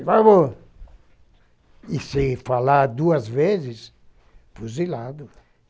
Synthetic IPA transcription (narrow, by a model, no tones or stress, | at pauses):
vaβo | isɪfalad̪uɐzvezɪs | fuzilad̪ʊ